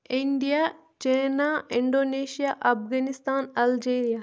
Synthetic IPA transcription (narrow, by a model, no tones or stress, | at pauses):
ɪɳɖija | t͡ʃeːnaɪɳɖoːneːʃijaʔɐfɡanɪst̪aːnɐld͡ʒeːɾija